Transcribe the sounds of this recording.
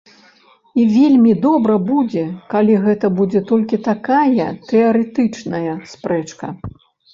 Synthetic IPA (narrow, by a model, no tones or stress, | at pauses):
ivʲelʲmʲid̪ɔbɾɐbud͡zʲɛkalʲiɣɛt̪ɐbud͡zʲɛt̪ɔlʲkʲit̪akajɐt̪ɛɐɾɛt̪ɨt͡ʂnɐjɐspɾɛt͡ʂkɐ